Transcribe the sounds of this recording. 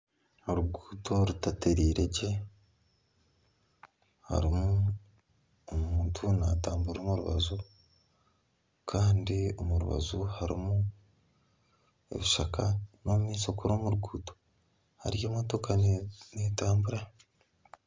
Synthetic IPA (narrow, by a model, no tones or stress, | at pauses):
oɾuɡuːtʰo̞ɾutate̞ɾiːɾeɟe̞ | ha̰ɾimu | omuːntʰunataːmbuɾoːmuɾuβa̰zu | kʰaːndio̞muɾṵβa̰zuhaɾḭmu | e̞̰βiʃakʰano̞mumiːso̞kuɾoːmuɾuɡuːto̥ | ha̰ɾijoːmoto̞kanetaːmbuɾa